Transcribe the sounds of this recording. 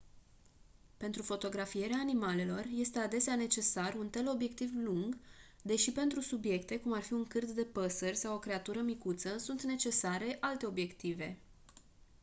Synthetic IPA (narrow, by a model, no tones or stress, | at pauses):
pe̞nt̪ɾufo̞t̪o̞ɡɾafije̞ɾeaːnimale̞lo̞rje̞st̪e̞ad̪e̞seane̞t͡ʃe̞sarunt̪e̞lo̞bje̞k̚t̪ivluŋɡ | d̪e̞ʃipe̞nt̪ɾusubje̞kt̪e̞kumarfiuŋkɨrt̪d̪e̞pəsərʲsawo̞kɾe̞at̪uɾəmikut̪səsunt̪ne̞t͡ʃe̞saɾe̞ʔalt̪e̞o̞bje̞kt̪ive̞